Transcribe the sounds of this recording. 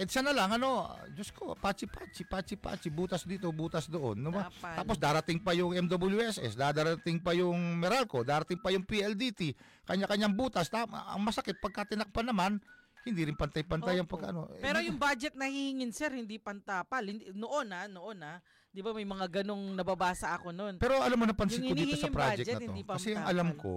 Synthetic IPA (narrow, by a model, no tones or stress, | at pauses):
ʔɛd̪sanɐlaŋɐno̞d͡ʒoskopaːt͡ʃɪpaːt͡ʃɪpaːt͡ʃɪpa̰ːt͡ʃɪbuːt̪ɐsd̪iːt̪obuːt̪ɐsd̪oʔo̰nːʊbat̪aːpo̞sd̪aːɾɐt̪ɪŋpɐjʊŋɛmd̪obɪljuʔɛsʔɛ̰sd̪aːd̪aːɾɐt̪ɪŋpɐjʊŋmɛɾalko̞d̪aːɾɐt̪ɪŋpɐjʊŋpiʔɛld̪it̪i | kɐɲakɐɲaŋbuːt̪ɐst̪aɐ̰ŋmɐsɐkɪt̪̚pɐɡ̚kat̪ɪnɐk̚pɐnɐman | hɪnd̪iɾɪnpɐnt̪ɐjpɐnt̪ajɐŋpɐɡkːɐʔɐ̰no̞pɛɾojʊŋbaːd͡ʒɛt̪̚nɐhihɪŋɪnsɛɾhɪnd̪ipɐnt̪apalhɪnd̪noʔo̞nanoʔona | d̪ɪbɐmɐjmɐŋaɡɐno̞ŋnɐbabaːsɐʔɐko̞no̞npɛːɾoʔɐlamːonɐpɐnɪkoniht̪osɐpɾad͡ʒɛkɛɐt̚hɪnod̪ikɐsɛɐŋʔɐlamko̞̰